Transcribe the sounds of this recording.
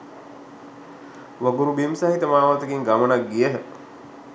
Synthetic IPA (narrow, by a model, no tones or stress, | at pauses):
ʋəɡuɾubimsaɦit̪əmaːʋat̪əɡiŋɡamənaɡɡijəɦə